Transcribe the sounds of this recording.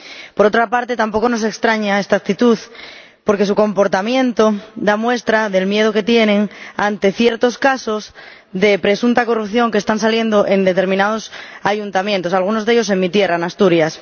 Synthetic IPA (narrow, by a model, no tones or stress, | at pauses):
po̞ɾo̞t̪ɾapaɾt̪e̞t̪ampo̞kono̞s̬e̞kst̪ɾaɲae̞st̪ak̚t̪it̪uð | po̞ɾke̞suko̞mpo̞ɾt̪amjẽ̞nt̪od̪amwe̞st̪ɾaðe̞lmje̞ð̞oke̞t̪je̞nẽ̞ŋant̪e̞θje̞ɾt̪o̞skaso̞z | ðe̞pɾe̞sunt̪ako̞rupθjo̞ŋkest̪ansalje̞nd̪oʔe̞nd̪e̞t̪e̞ɾmĩnað̞osaʝunt̪amjent̪o̞salɣ̞uno̞zðe̞ʎo̞s̬e̞ŋmit̪je̞raenast̪uɾjas